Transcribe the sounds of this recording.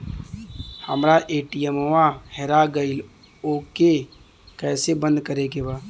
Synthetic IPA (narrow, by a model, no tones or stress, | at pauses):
həmɾaʔeːʈijɛmoʋãhɛɾaɡəɪl | oːke | kɛːsebə̃nd̪kəɾeɡebaː